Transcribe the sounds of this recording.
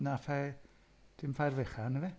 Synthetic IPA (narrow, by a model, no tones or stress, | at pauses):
nafa | d̥ɪmfajrvɛχanəvɛ